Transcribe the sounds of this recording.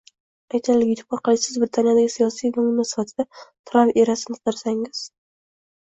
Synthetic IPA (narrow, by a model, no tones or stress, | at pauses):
ajt̪ʰalɪɡʲɪt̪ʰʊ̥pɑɾqɨlˠɪsɪzbɾɪt̪ʰanijad̪aɡʲɪsijɒsijvamʊmasɪ̥fat̪ʰɪd̪̥at̪ʰɾaveɾasɪnɪqʰd̪ɪɾsaŋɪz̥